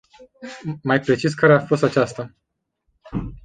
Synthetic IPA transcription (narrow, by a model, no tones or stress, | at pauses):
majpɾe̞t͡ʃis̬kaɾeafo̞st̪at͡ʃast̪a